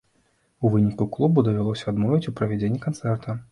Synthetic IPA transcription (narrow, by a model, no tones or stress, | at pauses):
uvɨnʲikuklˠubud̪ɐvʲalˠɔsʲɐad̪mɔvʲit͡sʲupɾɐvʲɛd͡zʲenʲːɛkant̪sɛrt̪ʰɐ